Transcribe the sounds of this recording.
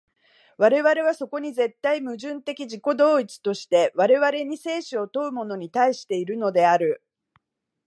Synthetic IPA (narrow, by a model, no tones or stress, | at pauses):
βaɾe̞βaɾe̞β̞aso̞ko̞ɲ̟ize̞t̪ːaimɯ̟ʑɨ̃nt̪e̞kʲiʑiko̞d̪o̞ːit͡sɨ̥t̪o̞ɕi̥t̪e̞βaɾe̞βaɾe̞ɲ̟ise̞ːɕɨo̞t̪o̞ɯ̟mo̞no̞ɲ̟it̪aiɕi̥t̪e̞iɾɯ̟no̞d̪e̞aɾɯ̟